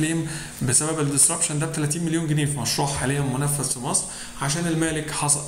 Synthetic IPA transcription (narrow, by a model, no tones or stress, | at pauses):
liːm | besæbæbeld̪esɾɑpʃænd̪æb̚t̪ælæːt̪iːnmeljoːnɡeneːfimɑʃɾuːʕħaːlejæmːonæfːæzfimɑsˤɾ | ʕaʃ̬æːnelmæːlekħɑsˤɑ